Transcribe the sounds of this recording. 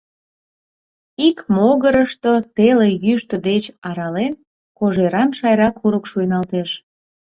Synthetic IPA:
ikmoɣəɾəʃt̪ot̪elejyʃt̪əd̪et͡ɕɑɾɑlen | koʒeɾɑnʃɑjɾɑkuɾəkʃujnɑlt̪eʃ

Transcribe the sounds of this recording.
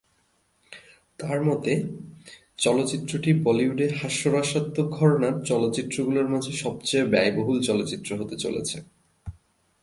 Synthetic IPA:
t̪aɾmɔt̪e | t͡ɕɔlotːt͡ɕit̪ːɾoʈipɔliuɖeɦaʃːoɾaʃat̪ːoɡʱɔɾonaɾt͡ɕɔlotːt͡ɕit̪ːɾoɡuloɾmad͡ʑʱeʃɔb̚t͡ɕejbɛjboɦult͡ɕɔlot̪ːt͡ɕit̪ːɾoɦot̪et͡ɕo̰lḛt͡ɕʰe

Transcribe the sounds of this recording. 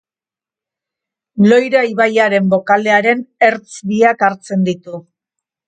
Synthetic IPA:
lo̞jɾaiβajaɾe̞mbo̞kale̞aɾe̞ne̞ɾt͡sβiakaɾt͡se̞nd̪it̪u

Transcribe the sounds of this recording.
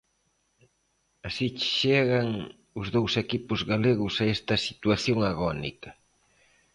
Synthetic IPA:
asit͡ʃʃeɣɐŋ | ʊzðowsekipʊzɣaleɣʊsaɛst̪ɐsit̪waθjoŋaɣɔnḭkɐ

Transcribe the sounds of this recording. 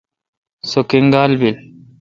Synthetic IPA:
sokiŋɡaːlbil

